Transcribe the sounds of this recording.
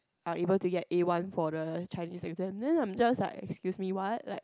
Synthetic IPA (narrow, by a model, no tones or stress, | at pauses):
ʔaʔebəltuɡɛtewãnfɔdət͡ʃaɪnisɛk̚təɛ̃ndɛ̃nãɪ̃md͡ʒaslaɪkɛ̰kskjusmiwɔt̚laɪk̚